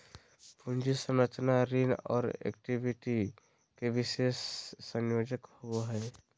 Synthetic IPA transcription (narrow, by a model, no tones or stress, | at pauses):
pʰũnd͡ʒisəmɾət͡ʃnaɾinɔ̰ːɾḛkʈibiʈi | kebɪʃesːə̃ŋjoːd͡ʒəkhuɦɛː